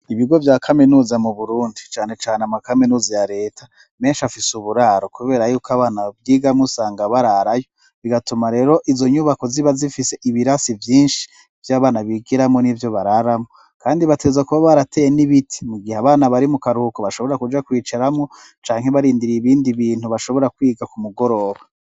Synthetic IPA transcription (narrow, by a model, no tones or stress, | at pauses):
iβiɡo̞vjaːkʰaminuːzamuβuɾuːndit͡ʃaːne̞t͡ʃaːneamakaminuːzajaɾe̞ːtʰa | me̞ːnʃafisuβuɾaːɾo̞kuβe̞ːɾajuːkaβaːnab̚ɡiːɡamŋusaːŋɡaβaɾaɾajo̞ | βiɡatumaɾe̞ːɾo̞ʔizo̞ɲuβako̞ziβazifise̞ʔiβiɾasivjiːnʃi̥ | vjaːβaːnaβiːɡiɾamŋo̞nivjo̞βaɾaɾamŋo | kaːndiβatezakuβaβaɾatʰejeniβitʰi̥muɡihaβaːnaβaɾimukaɾuhukoβaʃoβo̞ɾakud͡ʒakwiːt͡ʃaɾamŋo̞ | t͡ʃaːŋ̥heβaɾiːndiɾiiβiːndiβiːn̥huβaʃo̞βo̞ɾakwiːɡakumuɡo̞ɾo̞ːβa